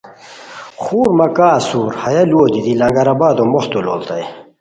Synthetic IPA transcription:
xuːɾmɐkaːsuːɾhɐjɐloːd̪id̪ilɐŋɡɐɾɐbaːd̪omoht̪ulo̰ːlt̪ɐj

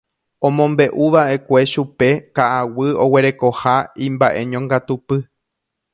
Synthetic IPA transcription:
õ̞mõmbe̞ʔuʋaʔe̞kʷe̞ʃupe̞kaʔawɨo̞we̞ɾe̞ko̞haĩmbaʔe̞ɲõŋɡat̪upɨ

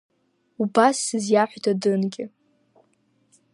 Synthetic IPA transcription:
ubasːɨzjaħʷdadɨnɡʲɪ

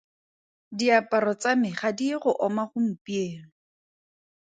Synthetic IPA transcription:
diapʼaɾɔt͡samɪχadiχʊʔɔmaχʊm̩pʼieːŋ̩

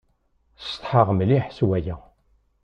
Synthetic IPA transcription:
st̪ˤħəʁmliħswæjæ

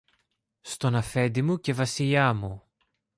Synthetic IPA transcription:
st̪o̞nɐfe̞nd̪imuce̞vɐsiʎɐmu

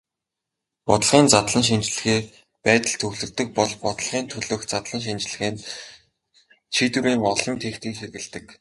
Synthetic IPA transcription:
pɔt̪ə̆ɮʁiːnt͡sat̪ɮə̆nʃ̬int͡ɕ̆ɮɘ̆xeː | pæːt̪ə̆ɮt̪ʰɵɣɮɵ̆rt̪ɵ̆k̚pɔɮpɔt̪ə̆ɮʁiːnt̪ʰɵɮɵ̆ːxt͡sat̪ɮə̆nʃ̬int͡ɕ̆ɮɘ̆xeːn | t͡ɕʰit̪wɘ̆ɾiːŋɔɮɞ̆mt̪ʰeːxt̪iːŋʃerɣɘ̆ɮt̪ɘ̆k

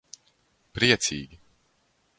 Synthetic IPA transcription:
pɾiɛt̪siːɡʲi

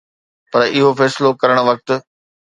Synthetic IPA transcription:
pɐɾɪɦofɛːslokɐɾəɽ̃̆ʋɐk̚t̪̆

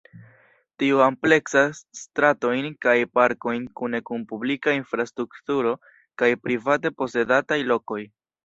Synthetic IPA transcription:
tiuample̞ksastɾato̞jnkajpaɾko̞jnkune̞kunpublikainfɾastɾuktuɾo̞ | kajpɾivate̞po̞se̞datajlo̞ko̞j

